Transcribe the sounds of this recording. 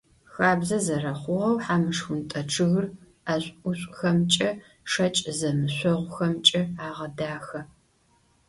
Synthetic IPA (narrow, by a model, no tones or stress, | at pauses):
xaːbzɐzɐrɐχʷʊʁɐwħaːmɨʂxʷʊntʼɐʈ͡ʂʰɨɣr | aɕʷʼʊɕʷʼxɐmt͡ʃʼɐ | ʂɐt͡ʃʼzɐmɨɕʷɔʁʷʊxɐmt͡ʃʼɐaːʁɐdaːxɐ